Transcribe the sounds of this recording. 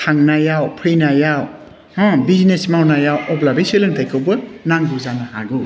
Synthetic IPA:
tʰaŋnajawpʰɾinajaw | hɔ̃biznesmawnajawʔɔblabiselɯŋtʰajkʰɯwbɯnaŋbuzanaha̰ɡɯ

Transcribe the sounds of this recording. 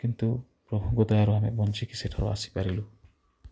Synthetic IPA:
kint̪u | pɾɔbʱɔŋɡɔd̪ɔjaɾɔɦamebɔnt͡ʃikiseʈʰɔɾɔ̰a̰si̥paɾilu

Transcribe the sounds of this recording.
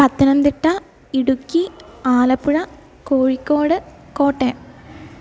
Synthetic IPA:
pɐt̪ːɐnɐnd̪iʈːɐ | iɽukːiaːlɐpːuɻɐ | koːɻikːo̞ːɽɨ | ko̞ːʈːe

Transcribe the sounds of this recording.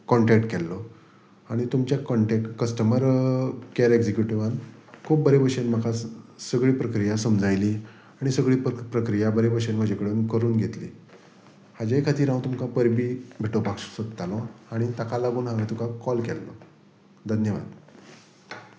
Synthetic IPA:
kɔɳʈɛk̚ʈkɛlːɔ | aɽ̃it̪umt͡ɕjakɔɳʈekkəsʈəməɾkeɾeɡd͡zekjuʈiʋankʰuːp̚bəɾebəɾɕenməkʰasəɡɭiːpɾəkɾijasəmd͡zajli | aɽ̃isəɡɭiːpɾəkɾijabəɾebəɾɕenm̤əd͡ʑekəɽeunkəɾuːnɡʱet̪lḭː | had͡ʑekʰat̪iːɾãw̃t̪umkãpəɾbiːbʱiʈopakʂsət̪t̪alɔ̃aɽ̃it̪akalaɡuːnɦaʋẽt̪ukʰakɔlkɛlːɔ | d̪ʱənjəʋa̰d̪

